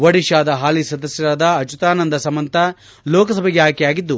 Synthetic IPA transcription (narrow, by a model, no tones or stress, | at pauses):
ʋɐɽiʃaːd̪ɐɦaːlisɐd̪ɐsjɐɾaːd̪ɐːt͡ʃut̪aːnɐnd̪ɐsɐmɐnt̪ʰɐ | lɔːkɐsɐbʱɛɡɛɦaːkɛjaːɡid̪ːu